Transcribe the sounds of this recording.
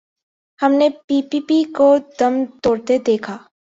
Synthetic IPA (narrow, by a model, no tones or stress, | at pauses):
hɐmnepiːpiːpikod̪ɐmt̪oːɽt̪ed̪eːkʰaː